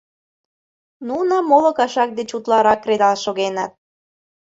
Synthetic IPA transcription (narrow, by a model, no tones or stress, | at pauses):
nunɑmolə̆kɑʃɑk̚d̪et͡ɕut̪lɑɾɑkːred̪ɑlʃoɣenɑt̪̚